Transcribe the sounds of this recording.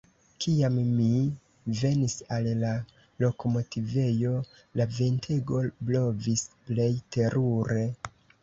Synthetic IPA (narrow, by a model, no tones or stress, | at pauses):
kʰiamːi | ve̞nisalla | lo̞ko̞mo̞tive̞jo̞ | lavintʰeɡo̞blo̞visple̞jte̞ɾʔuɾe̞